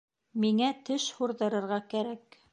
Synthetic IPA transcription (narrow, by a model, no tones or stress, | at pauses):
miŋæt̪ɘʃhuɾðɤ̆ɾɤ̆ɾʁɑkæɾæk